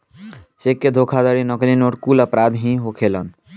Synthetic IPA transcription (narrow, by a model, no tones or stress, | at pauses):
sekːed̪ʱokʰad̪əɾinəklinoʈkuləpɾad̪ɦĩɦokʰelən